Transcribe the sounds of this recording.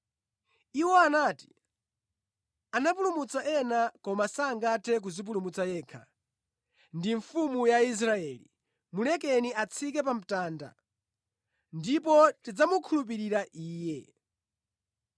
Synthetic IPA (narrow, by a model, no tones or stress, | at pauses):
iwɔanaːti̥ | anap̬ulumut͡saʔɛnakɔmasaːŋɡatʰɛk̬uzip̬ulumut͡sajɛːkʰa̰ | ndiɱfumujais̬ɾaɛlḭ | mulɛkɛniat͡sʰik̬ɛpam̩taːnda̰ | ndip̬ɔtid͡zamukʰulup̬iɾiɾaʔiːjɛ